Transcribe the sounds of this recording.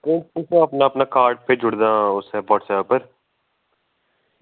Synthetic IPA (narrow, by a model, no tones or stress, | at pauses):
kẽːt͡ʃkɪsõɐpnaɐpnakaːɾɖ̚ped͡ʒʊɽd̪ãːʊsɦɛːbɔːʈsɛːpəɾ